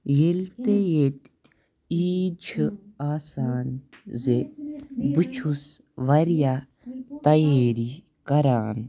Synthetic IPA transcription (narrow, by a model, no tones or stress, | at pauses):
jelt̪ejeːt̪ | iːd͡ʒʰaːsaːnze | but͡ʃʰus | ʋɐɾja | t̪ɐjeːɾi | kɐɾaːn